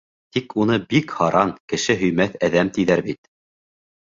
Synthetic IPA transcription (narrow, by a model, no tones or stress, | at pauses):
t̪ikunɤbikhɑɾʔɑnkɘ̆ʃɘɦɵ̆jmæθæðæmt̪iðæɾbit̪̚